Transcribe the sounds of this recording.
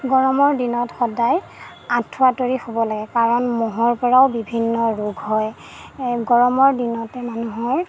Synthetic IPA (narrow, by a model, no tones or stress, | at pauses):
ɡɔɹɔmɔɹdinɔtxɔdaj | ãtʰːʊatoɹixobɔlaɡɛkaɹɔnmɔɦɔɹpɔɹaʊbibʱinːɔɹuɡɦɔj | ɡɔɹɔmɔɹdinɔtɛmanuɦɔɹ